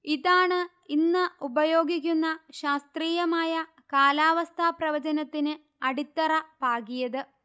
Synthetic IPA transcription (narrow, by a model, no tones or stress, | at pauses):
iðaːɳɨ | inːɨubɐjo̞ːɡikʲːunːɐɕaːst̪riːjɐmaːjɐ | kaːlaːʋɐst̪ʰaːprɐʋɐd͡ʑɐnɐt̪ːinɨ | ɐɽit̪ːɐrɐpaːɡijɐðɨ